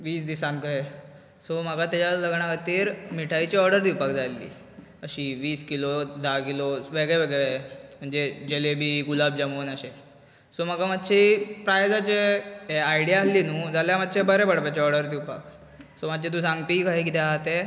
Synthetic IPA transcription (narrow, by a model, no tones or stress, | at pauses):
ʋiːsd̪isãnkəɦe | som̤əɡat̪jat͡ɕaləɡɳakat̪iːɾmiʈʰait͡ɕiɔɾɖəɾd̪ipakd͡zalːḭː | əɕiːʋiːskilod̪akiloʋeɡɭjeʋeɡɭeʋem̤əɳd͡zed͡ʑelebʱiːɡulab̚d͡ʑəmoːnəɕe | som̤aɡamat̪ːɕʰipɾajod͡zat͡ɕeeajɽijaalinud͡zaljaməd̪ːɕebəɾebəɽpat͡ɕeɔɾɖəɾd̪iupa̰k | somad̪t͡ɕet̪̬ũsãŋɡp̪ikaɦikit̪eat̪e